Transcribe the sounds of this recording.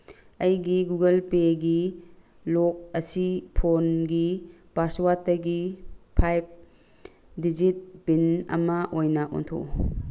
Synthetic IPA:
ɐjɡiɡuɡɐlpeɡi | lok̚ɐsipʰonɡi | baswatːɐɡipʰajp̚ | did͡ʒit̚b̥inɐ̰mɐʔojnɐʔo̰ntʰo̰

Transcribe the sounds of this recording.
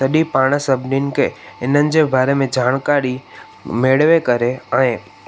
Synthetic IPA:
sɐɗipaːɽ̃əsɐbʱninɪ̆kʰeːɪnənɪ̆d͡ʑeːbaːɾemẽd͡ʑaːɽ̃kaːɾi | meːɽʋekɐɾeɛ̃ː

